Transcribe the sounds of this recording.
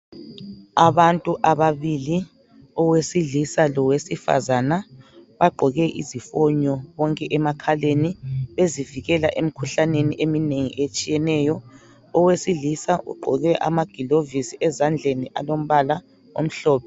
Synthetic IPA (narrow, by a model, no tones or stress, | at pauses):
aβantʼuʔaβaβili | ɔwesiɮisalɔwesifa̰zanaβaɡ͡ǃʱɔɣɛʔḭzifɔɲɔβɔŋkʼɛʔɛmakʰaleniβeziviɣɛla̰ʔem̩kʰuɬaneniʔemineŋḭʔet͡ʃʼijɛnɛːjɔ | ɔwesiɮisaʔṵɡ͡ǃʱɔɣɛʔa̰maɡ̥ʱilovisiʔɛzand͡ɮʱeniʔa̰lom̩βala | o̰m̩ɬɔːpɛ